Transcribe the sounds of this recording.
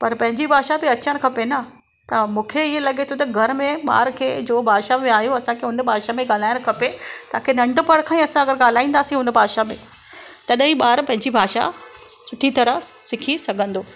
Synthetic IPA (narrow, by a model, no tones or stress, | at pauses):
pɐɾpɐ̃ɦɪ̃ɲd͡ʑibʱaːʃabɪɐt͡ɕəɽ̃kʰɐpenɐ | t̪ɐmũːkʰeiːẽlɐɡet̪ʰot̪ɐɡʱɐɾmẽɓa̰ːɾkʰeːd͡ʑoːbʱaːʃamẽaːɦijũɐsãkʰeʊnbʱaːʃamẽɠaːl̤aːɪɽ̃kʰɐpet̪ɐãkʰenɐ̃ɳɖpɐɽkʰãĩɐsãɐɡəɾɡaːl̤aːĩːn̆d̪aːsĩɦʊn̆bʱaːʃamḛ̃ | t̪ɐɗɦĩɓaːɾpɐ̃ɦɪ̃ɲd͡ʑibʱaːʃa̰ | sʊʈʰit̪ɐɾəsɪkʰisɐɡʱə̃nd̪oː